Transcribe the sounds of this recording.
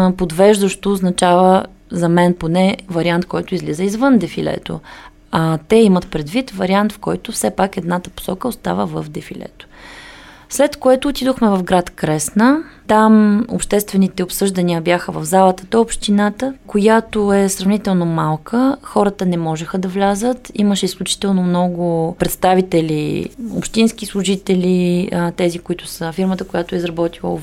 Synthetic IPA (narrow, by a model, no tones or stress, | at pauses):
pod̪vɛʒd̪əʃt̪oːznɐt͡ʃavə | zɐmɛnponɛvɐɾiant̪̚kɔjt̪ʊizlizəizvɤnd̪ɛfilɛ̰t̪o̰ | at̪ɛimət̪pɾɛd̪vit̪vɐɾiant̪fkɔjt̪ʊfsɛpakɛd̪nat̪əpo̥sɔkəost̪a̰vəvə̰fd̪ɛfilɛ̰t̪o̥ | slɛt̪koɛt̪oːt̪id̪oxmɛvɐfɡɾat̪kɾɛsnət̪amo̰pʃt̪ɛst̪vɛnit̪ɛopsɤʒd̪ɐniəbjaxəvɐvzalˠət̪ə̥d̪ɔopʃt̪inat̪əkojat̪oɛsɾɐvnit̪ɛlˠnomalˠkʰəxɔɾət̪ənɛmɔʒɛxəd̪ɐvlʲazət̪iməʃɛisklʲut͡ʃi̥t̪ɛlˠnomnɔɡʊpɾɛt̪st̪avit̪ɛlio̰pʃt̪insk̟islˠʊʒit̪ɛlʲit̪ɛzikʊit̪ʊ̥səfiɾmət̪əkʊjat̪oɛizɾɐbɔt̪ilˠə̰